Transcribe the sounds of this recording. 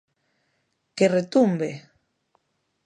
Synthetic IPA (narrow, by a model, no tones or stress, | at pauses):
keret̪umbe